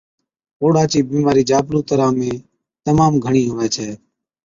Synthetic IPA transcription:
oːɽaːt͡ʃiːbiːmaːɾiːd͡ʒaːbɾuːt̪əɾãːmẽː | t̪əmaːmɡʱəɳiːɦoːʋɛ̃ːt͡ʃʰɛː

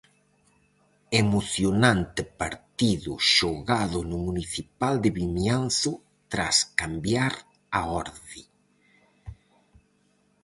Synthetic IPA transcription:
emoθjonant̪ɪpaɾt̪iðʊ̰ʃoɣaðʊnʊmuniθipald̪ɪβiɲanθʊ | t̪ɾaskambjaɾ | aɔɾði

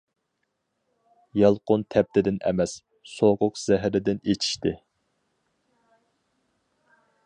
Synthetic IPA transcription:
jɑlˠqʊnt̪ʰɛp̚t̪ʰɪd̪ɪnʔɛ̰mɛs | soqʊqz̥æɦɾɪd̪ɪnet͡ʃʰi̥ʃt̪ɪ

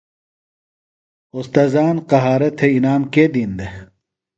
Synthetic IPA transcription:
ust̪ɐzaːnqɐɦaːɾɐt̪ʰeinaːmked̪ind̪e

